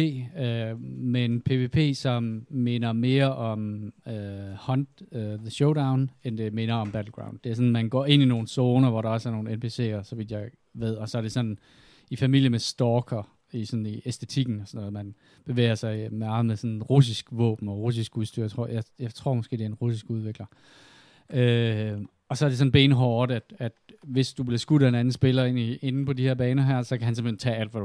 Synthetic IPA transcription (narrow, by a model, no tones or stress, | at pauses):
e̝̰ːømeenpʰe̝ʋe̝pʰe̝̰ːsɒ̽mme̝nɐme̝ːɐʔɒ̽møhɒ̽nd̥ðəɕoʊɾäʊ̃nend̥e̝me̝nɐɒ̽mb̥æd̥l̩ɡ̥ʁäʊnd̥d̥e̝æɐsɒ̽n̩mænɡ̥ɒ̰ːe̝n̰ino̝ːn̩soːnɐʋɒɾɑ̈ɒsæɐno̝ːn̩enpʰe̝se̝̰ːɐsɒ̽ʋið̥jɑ̈ɪ | ʋe̝ð̞̰ˠɒ̽sɒ̽æɐɾ̥e̝sɒ̽nn | ifæmil̰jəmesd̥ɒːkʰɐ | isɒ̽nn̩iesd̥e̝t͡sʰiɡ̥n̩ɒsɒnɔ̽ːðˠmæn | b̥e̝ʋḛːɐsɑ̈ɪmɑ̈ːð̩ˠmeðˠsɒ̽nʁus̬isɡ̥ʋɔ̰̽ːb̥n̩ɒ̽ʁus̬isɡ̥uð̞ˠsd̥y̰ɐ̰jat͡sʰʁo̝̰jɑ̈ɪjɑ̈ɪt͡sʰʁo̝ɐ̰mɒ̽sɡ̥e̝̰ːdeɐenʁusisɡ̥uðˠʋeɡ̥lɐ | ø | ɒ̽sɒ̽æɐɾe̝sɒ̽n̩b̥e̝ːnɦɒːd̥æd̥æd̥ʋe̝sd̥ub̥lesɡ̥ud̥æe̝nænn̩sb̥e̝lɐe̝nie̝nn̩pʰɒ̽diheɐ̰b̥ɛːnɐɦæɐ̰sɒ̽kʰæɦænse̝m̥ent͡sʰɛ̰ːæl̰d̥ʋæ